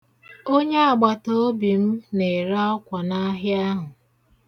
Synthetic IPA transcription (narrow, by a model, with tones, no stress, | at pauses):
o˦ɲe˦a˨ɡ͡ba˨to˦o˦bi˨m̩˦ne˨ɾa˦ɔ˦kʷa˨na˦ɦja˦ɦʊ˨